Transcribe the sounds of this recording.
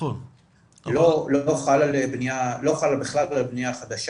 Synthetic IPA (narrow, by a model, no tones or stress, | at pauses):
loloχalalebnijaloχalabiχlalalbnijaχad̪aʃ